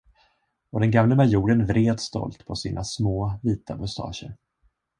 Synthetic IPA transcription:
ɔd̪ɛnɡamləmaɾjuːɖənvɾeːd̪st̪ɔ̰lt̪pʰɔsiːnʔasmoːviːt̪ʰamʊst̪ʰɑ̰ːɕə̰ɾ

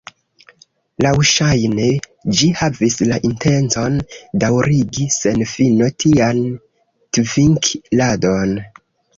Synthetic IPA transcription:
lawʃajne | d͡ʒihavislaʔinte̞nt͡so̞ndawɾiɡise̞nfino̞tʰian | tviŋklado̞n

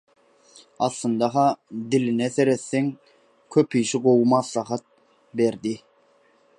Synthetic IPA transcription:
ɑθlˠɯnd̪ɑɦɑd̪ilinɛθe̞ɾeθːeŋ | kʲʰøpʰiʃiɢowumɑslˠɑɦɑt̪̚ | beɾd̪i

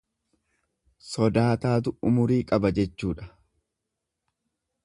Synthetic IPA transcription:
sɔd̪aːt̪aːt̪̬ʊʊmʊɾiːkʼɐbɐd͡ʒɛt͡ʃːuːᶑɐ̥

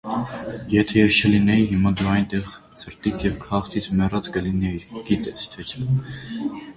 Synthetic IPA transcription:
jɛt̪ʰɛjɛst͡ʃʰəlinɛiɦimɑd̪uɑjnt̪ɛʁ | t͡sʰəɾt̪it͡sʰjɛvkʰɑχt̪ʰit͡sʰmɛrɑt͡skəlinɛiɡ̥it̪ɛst̪ʰɛt͡ʃʰ

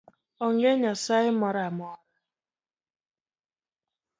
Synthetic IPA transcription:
ɔŋɡeɲasaɪmɔɾamɔ

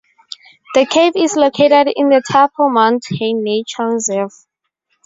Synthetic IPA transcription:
ðəkʰevislokʰetɛdḭ̃ndətʰapʰɔmãnthẽnet͡ʃʰalzɛf

